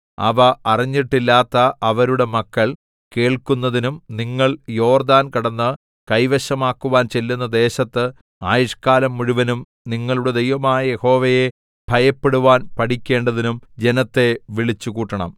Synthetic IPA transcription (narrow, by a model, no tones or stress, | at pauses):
ɐ̰ʋɐʔɐriɲːiʈːilːaːt̪ːɐɐʋɐɾuɽe̞mɐkːɐɭ | ke̞ːɭkunːɐðinumniŋːɐɭjo̞ːrd̪aːnkɐɽɐnːɨ | kɐjʋɐɕɐmaːkːuʋaːnt͡ɕe̞lːunːɐd̪e̞ːɕɐt̪ːɨ | aːjɐʂkaːlɐmːuɻuʋɐnum | niŋːɐɭuɽe̞d̪ejʋɐmaːjɐje̞ho̞ːʋɐje | b̥ʱɐjɐpːe̞ɽuʋaːnpɐʈikʲːe̞ːɳɖɐðinumd͡ʑe̞nɐt̪ːe̞ʋiɭit͡ɕːukuːʈːɐɳɐm